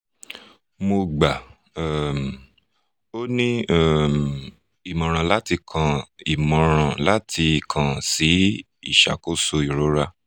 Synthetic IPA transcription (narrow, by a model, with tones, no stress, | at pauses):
mo˧ɡ͡ba˨ | ɛ˦˨m | o˦nĩ˦ɛ˦˨m | i˨mɔ̃˨ɾ̃ã˨la˦ti˧kʰã˧i˨mɔ̃˨ɾ̃ã˧˨la˦tʰi˧˨kʰã˨si˨˦ | ḭ˦˨ʃa̰˨ko˦so˧i˨ɾo˨˦ɾa˦